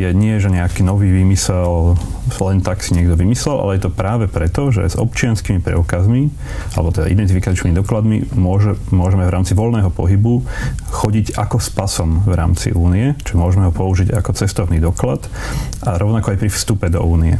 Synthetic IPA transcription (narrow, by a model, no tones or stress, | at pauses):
jɛɲɪɛʒɛɲɛakiːnɔʋiːʋiːmisɛllɛnt̪aksiɲɪɛɡd̪ɔʋimislɛlʔa̰lɛjɛt̪ɔpɾaːʋɛpɾɛt̪ɔʒɛ̰z̥ɔ̰pt͡ʃɪanskimipɾɛ̰ukazmi | alɛ̰bɔt̪ɛd̪a̰ḭd̪ɛnt̪ifikat͡ʃniːmid̪ɔklad̪mḭmʊɔʒɛmʊɔʒɛmɛvɾaːmt͡siʋɔlnɛːɦɔpɔɦibuxɔɟiɟakɔspasɔmvɾa̰ːmt͡sḭʔuːniɛt͡ʃmʊɔʒɛmɛɦɔpɔuʒiɟakɔt͡sɛst̪ɔʊniːd̪ɔklat̪ | aɾɔʊnakɔajpɾifst̪upɛd̪ɔ̰uːniɛ̰